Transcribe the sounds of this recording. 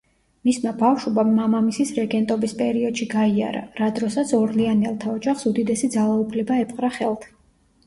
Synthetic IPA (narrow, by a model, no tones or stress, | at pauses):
mismabafʃubamːamamisisɾɛɡɛnt̪ʼɔbispʼɛɾiɔd̪̥ʃiɡaia̰ɾa̰ɾad̪ɾɔsat̪sʰɔɾlianɛlˠt̪ʰaɔd͡ʒaχsud̪id̪ɛsid̪zalˠaupʰlɛbaɛpʼqʼɾaχɛlˠt̪ʰḁ